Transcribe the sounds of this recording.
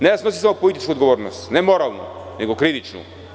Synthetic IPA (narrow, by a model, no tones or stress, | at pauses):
nɛjasnosi̥samopolit̪it͡ʃkuod̪ɡovɔɾnost̪nɛmɔɾalˠnṵnɛɡokɾitit͡ʃnṵ